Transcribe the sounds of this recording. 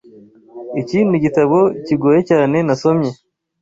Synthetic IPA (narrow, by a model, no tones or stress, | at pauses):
iciːnuɟitaβo̞ciɡoːjecaːne̞naso̞mɲe̞